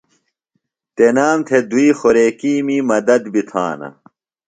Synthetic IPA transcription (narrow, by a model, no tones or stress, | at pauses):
t̪enaːmt̪ʰed̪uiːxoɾeːkiːmimɐd̪ɐd̪bit̪ʰa̰ːnɐ̰